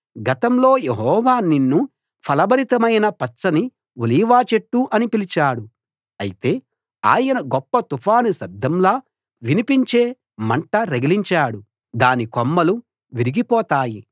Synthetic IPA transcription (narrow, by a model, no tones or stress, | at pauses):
ɡɐt̪ɐmlo̞ːjeɦɔːʋaːninːu | pʰɐlɐbɐɾit̪ɐmɐjnɐpɐt͡ʃsɐni | uliːʋaːt͡ʃeʈːuʔɐnipilit͡ʃaːɽu | ɐ̰jit̪e̞ː | a̰ːjɐnɐɡɔpːɐt̪upʰaːnusɐd̪ʱːɐmlaː | ʋinipiɲt͡ʃe̞ː | mɐɳʈɐɾeɡiliɲt͡ʃaːɽu | d̪aːnikomːɐlu | ʋiɾiɡipɔːt̪aːji